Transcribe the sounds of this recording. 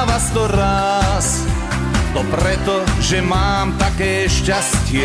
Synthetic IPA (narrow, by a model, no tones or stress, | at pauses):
ʋast̪ɔɾas | t̪ɔpɾɛt̪ɔʒɛmaːmt̪akɛːʃcascɪɛ